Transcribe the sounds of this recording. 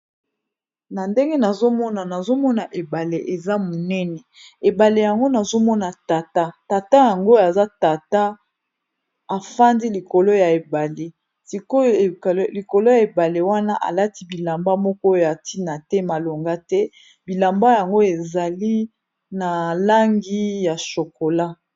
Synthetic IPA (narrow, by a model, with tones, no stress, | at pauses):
na˨nde˦ŋɡe˦na˨zo˦mɔ˦na˨na˨zo˦mɔ˦na˨ʔe˨ba˨le˨ʔe˨za˦mo˨nɛ˦nɛ˨e˨ba˨le˨ja˨ŋɡo˦na˨zo˦mɔ˦na˨ta˨ta˦ta˨ta˦ja˨ŋɡo˦a˨za˦ta˨ta˦ | a˨fa˦ndi˦li˨ko˨lo˦ja˨e˨ba˨le˨ | si˨ko˦˨˦li˨ko˨lo˦ja˨e˨ba˨le˨wa˦na˦ʔa̰˨la˦ti˦bi˨la˨mba˦mɔ˦kɔ˦jo˦˨a˨ti˦na˨tɛ˦ma˨lo˨ŋɡa˦tɛ˦ | bi˨la˨mba˦ja˨ŋɡo˦e˨za˨li˦ | na˨la˦ŋɡi˦ja˨ʃo˨ko˨la˦